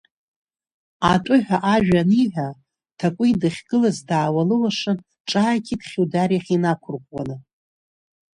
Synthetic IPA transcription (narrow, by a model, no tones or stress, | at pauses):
atʷʼʊħʷᶣaʔaʒᶣaniʕʷᶣa | tʰakʷʼʊidɨχʲɡ̥ɨlazdaːwalɨwaʂɨn | ʈ͡ʂʼaːkʰʲidχʲiwdarjaχʲinakʷʰʊrqʷʼwanɨ